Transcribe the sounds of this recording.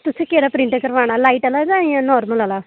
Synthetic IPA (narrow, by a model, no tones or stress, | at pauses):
t̪ʊsẽːkeːɾaːpɾɪ̃ɳʈkəɾʋaːñaːlaːiːʈalaːd͡ʒãːĩãːnɔːɾməlaːlaː